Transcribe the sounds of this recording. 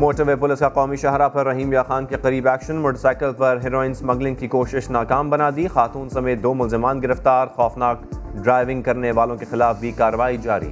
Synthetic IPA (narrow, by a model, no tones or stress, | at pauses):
moːʈəɾʋeːpʊlɪskaqɔːmiʃɐɦɾapɐɾːɐɦĩːmjaːxaːnkeqɐɾiːbɛːkʃə̃nmoːʈəsaːɪkəlpɐɾɦɪɾoːɪ̃nsmɐ̃ɡlɪ̃ŋɡ̚kikoːʃɪʃnaːkaːmbɐnad̪iːxaːt̪uːnsɐmeːt̪̚d̪oːmʊlzɪmaːnɡɪɾəft̪aːɾxɔːfnaːkɖɾaːɪʋɪ̃ŋɡ̚kɐɾneʋaːlõkexɪlaːfbʱikaːɾɐʋaːid͡ʒaːɾḭː